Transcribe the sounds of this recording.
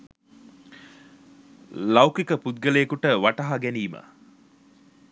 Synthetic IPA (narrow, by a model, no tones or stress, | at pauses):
lawkikəpud̪̚ɡəleːkuʈəʋaʈɐɦaɡɛniːmə̰